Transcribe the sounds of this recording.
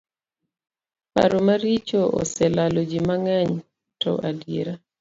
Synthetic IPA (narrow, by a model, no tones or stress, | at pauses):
pa̰ɾomaɾit͡ʃoʔɔ̰sɛlalɔd͡ʒimaŋaɲ | tɔ̰ʔadjeɾa